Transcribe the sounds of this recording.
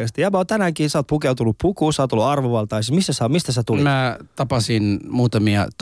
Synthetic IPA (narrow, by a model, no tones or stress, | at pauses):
est̪ijɑmæot̪ænæŋkiːsɑːˑt̪pukeut̪unːuppukuːsɑːt̪olːuɑrʋoʋɑlt̪ɑisimisːæsæmist̪æsæt̪ulimæt̪ɑpɑsinmuːt̪ɑmiɑ̰t̪